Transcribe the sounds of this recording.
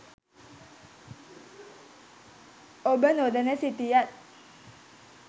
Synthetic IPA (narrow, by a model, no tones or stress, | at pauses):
ʔobənodanesit̪ijat̪̚